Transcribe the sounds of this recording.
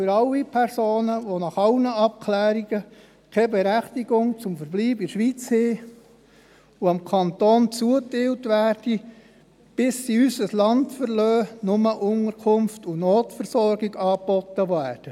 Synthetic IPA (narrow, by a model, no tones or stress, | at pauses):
fyɾɑlːipʰɛɾsoːnəʋonɑχɑlnəɑp̚kʰlæːɾiɡə | kʰɛbɛɾæχtiɡ̥ʊŋt͡sʊmfəɾbliːbɪʃʋiːt͡sheː | uɑmkʰɑntɔːnt͡suətɪːltʋæːrd̥i | b̥ɪsːiysəslɑntfəɾlœːnʊməʔʊnəɾkʰʊmftunoːtfəɾsɔrɡiɡɑːpbɔtːəʋæːrd̥ə